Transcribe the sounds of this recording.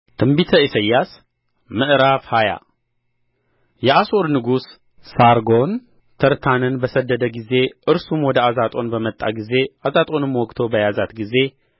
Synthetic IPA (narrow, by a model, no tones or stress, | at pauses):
t̪ʰɨmbit̪ʰəʔisɐjːas | mɨʔɾafhaja̰ | jɛasoɾnɨɡusː | aɾɡo̞n | t̪ʰəɾt̪ʰanɨnbəsəd̪ːəd̪əɡize̞ʔɨɾsumwɔd̪əazat̪ʼo̞nbəmət̪ʼːa̰ɡize̞ʔazat̪ʼo̞nɨmːwɔkʼːt̪ʰo̞bəjazat̪ɡize̞